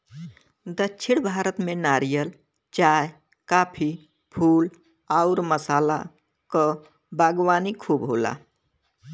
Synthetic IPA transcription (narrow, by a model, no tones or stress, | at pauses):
d̪əːt͡ʃʰiɽbʱaɾət̪menaɾijəl | t͡ʃaj | kaːpʰi | pʰuːl | aʊɾməsaːla̰ | kə | baɡʋaːnikʰuːbɦola̰